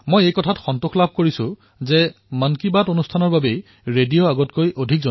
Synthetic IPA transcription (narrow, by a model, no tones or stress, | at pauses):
mojejkɔtʰatxɔntʊxʰlab̚ʱkoɹisʊ̃ | zɛ | mankibatonustʰanɔɹbabej | ɹedijoaɡɔtkojʔodʱik̚zɔ